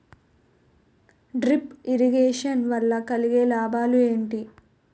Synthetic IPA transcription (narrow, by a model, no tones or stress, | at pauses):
ɖɾipiɾiɡeːʂɐnʋɐlːɐkɐliɡeːlaːbʱaːlue̞ːɳʈi